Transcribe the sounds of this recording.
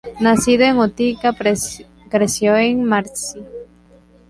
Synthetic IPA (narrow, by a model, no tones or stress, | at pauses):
nasiðoeŋot̪ika | kɾesjoeŋmaɾsi